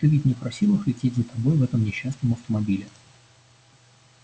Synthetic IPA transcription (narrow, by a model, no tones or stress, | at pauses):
t̪ɨvʲitʲnʲɪpɾɐsʲilˠɨxlʲɪtʲetʲzət̪ɐbo̞jvɛt̪əmnʲɪɕːasnəmɐft̪əmɐbʲilʲɪ